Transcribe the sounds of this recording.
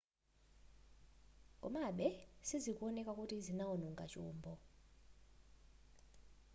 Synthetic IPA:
ŋkʼɔ̰maɓɛsizik̬ʼwɔnɛkʼak̬ʼutʰizinawɔnuŋɡʱa̰t͡ʃʼuːmbʱɔ

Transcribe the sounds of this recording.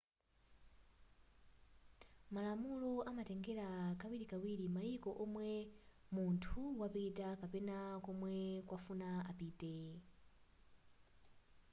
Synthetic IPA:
malamulɔamatɛŋɡɛɾakawiɾikawiɾimaikɔʔɔmwɛ | muntʰuwapitakapɛnakɔmwɛkwafunaapiːtɛ

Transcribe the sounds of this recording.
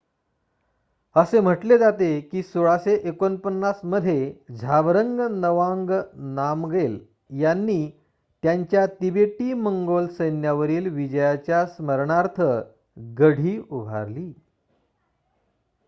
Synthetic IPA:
əsem̤əʈled͡zat̪ekiːsoɭaseʔekonpənːasməd̪ʱːjed͡ʑʱaʋɾəŋɡnəʋaŋɡnamɡel | janːiː | t̪jaɲt͡ɕjat̪ibeʈiːməŋɡolsəjnjaʋəɾiːlʋid͡ʑəjat͡ɕjasməɾɳaɾt̪ʰə | ɡəɽ̤iːubʱa̰ɾliː

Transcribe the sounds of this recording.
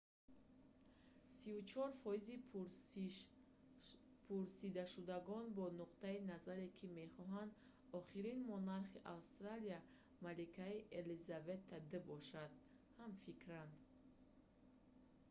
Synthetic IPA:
sivut͡ʃʰɔɾfɔizi | pʰuɾsid̪aʃud̪aɡɔnbɔnuqt̪ainazaɾekʰime̞χɔɦand̪ | ɔχiɾinmɔnaɾχiʔawst̪ɾalija | malikʰaiʔelizavet̪ʰːad̪əbɔʃad̪̚ | hamfikɾand̪

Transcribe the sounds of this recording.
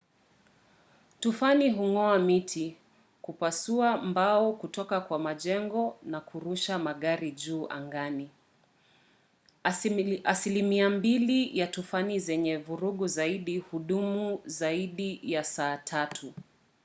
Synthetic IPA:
tufaniɦuŋɔamitʰi | kupasuambaɔkutɔkakwamaʄɛŋɡɔnakuɾuʃamaɠaɾiʄuːʔa̰ŋɡani | asilimiambilijatufanizɛɲɛvuɾuɠuzaiɗihuɗumuzaiɗijasaːtʰatʰu

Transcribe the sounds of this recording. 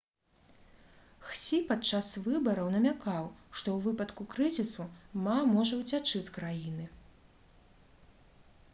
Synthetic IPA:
xt͡sʲipat͡ʂːasvɨbɐɾɐwnɐmʲakawʂt̪ɔwvɨpɐt̪kukɾɨzʲisumamɔʐɐwt͡sʲat͡ʂɨt͡sʲkɾajinɨ

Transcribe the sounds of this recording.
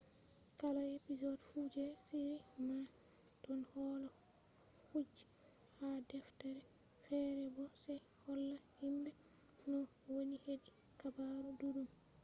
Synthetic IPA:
kalaepizɔdfud͡ʒɛsiɾinatɔnhɔlɔ | hud͡ʒihadɛftɛɾɛfɛːɾɛbɔsɛjhɔlːahimbɛnɔwoɲihedikabaɾuduɾum

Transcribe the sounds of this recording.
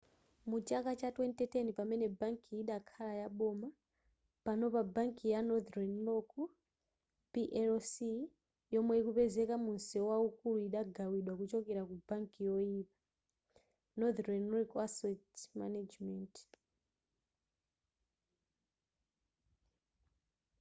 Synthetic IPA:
mut͡ʃakat͡ʃatwɛntɛtʰenipamɛnɛbaŋkiːɗakʰalajaɓɔma | panɔpabaŋkijanɔd̪ɾɛnlɔku | piʔɛɾɔsi | jɔmwɛikupɛzɛkamunsiɔwaukuluiɗaɡawiɗwakut͡ʃɔkɛɾakubaŋkijɔiːpa | nɔd̪ɾɛnlɔkasɛtma̰nad͡ʒmɛnt

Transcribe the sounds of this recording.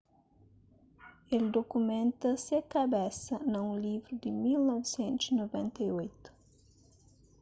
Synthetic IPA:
eld̪okumẽnt̪ɐsekabɛsɐnɐũlivɾud̪ɪmilnɔvɪsẽnt̪ʊzinovẽnt̪ɐjojt̪u̥

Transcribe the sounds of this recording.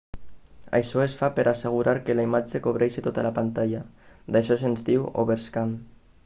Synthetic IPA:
a̰jʃɔesfapeɾaseɣ̞uɾaɾkelaimad͡ʒekoβɾɛʃet̪ot̪alapant̪aʎad̪aʃɔsenzd̪iwo̰βeɾskan

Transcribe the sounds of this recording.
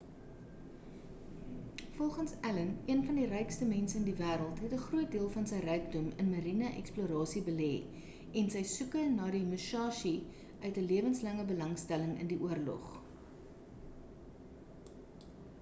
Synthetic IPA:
fɔlˠχənsæləniənfɐndirɛjkstəmɛnsəəndivæːɾəlˠtɦɛtəχruət̚diəlˠfɐnsəjrɛjk̚dɔmə̰nməɾinɐʔɛ̰kspluəɾɑːsibəlɛː | ʔɛnsəjsukənɑːdimuʃɑːʃi | ʔœɥtəliəvənslɐŋəbəlɐŋstæləŋə̰ndiʔuərlɔ̰χ

